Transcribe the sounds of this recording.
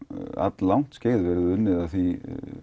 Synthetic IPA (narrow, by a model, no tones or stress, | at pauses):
a̰t̪llawŋ̥t̪sceːjðvɛɾʏðʏnːɪðaðθi